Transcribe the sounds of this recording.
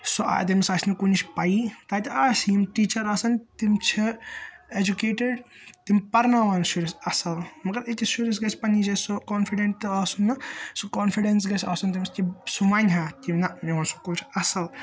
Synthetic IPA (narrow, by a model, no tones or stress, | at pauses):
soʔa̰t̪imsɐːsʲnɨkunʲit͡ʃʰpɐit̪aːt̪ɐaːsiːmʈiːt͡ʃɐɾɐsɐnt̪imt͡ʃʰied͡ʒukeːʈeɖ | t̪impɐɾnaːʋaːnʃuɾisɐsɐlmɐɡɐɾit̪ʲiʃuɾis̬ɡɐsʲpɐnid͡ʒɐsokoːnfiɖeɳʈ̪ɨaːsunːɐsokoːnfiɖens̬ɡɐsʰʲaːsunt̪̬imst̪isuʋɐnʲɦaːt̪ʲimnɐniʋaːnsu̥kult͡ʃʰɐsɐl